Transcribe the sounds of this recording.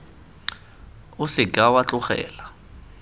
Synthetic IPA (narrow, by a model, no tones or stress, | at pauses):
ʊsɪkʼawat͡ɬʊχɛ̰ːla